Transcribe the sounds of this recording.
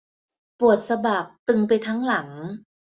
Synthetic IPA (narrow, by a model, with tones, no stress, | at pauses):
pu˨˩ət̪̚sa˧baː˨˩k̚t̪ɯ˧ŋpa˧jt̪ʰa˦˥ŋla˩˦ŋ